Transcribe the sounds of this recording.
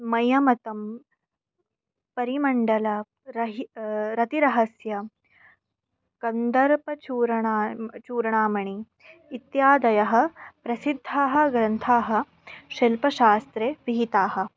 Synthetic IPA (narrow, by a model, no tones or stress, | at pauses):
mɐjɐmɐt̪ɐm | pɐɾimɐɳɖɐlɐ | ɾɐɦiɾɐt̪iɾɐɦɐsjɐ | kɐnd̪ɐɾpɐt͡ʃuːɾɐɳːt͡ʃuːɾɐɳaːmɐɳiː | t̪jaːd̪ɐjɐɦɐ̆pɾɐsid̪ʱːaːɦɐ̆ɡɾɐnt̪ʰaːɦɐ̆ | ʃɐlpɐʃaːst̪ɾeːʋiɦit̪aːɦɐ̆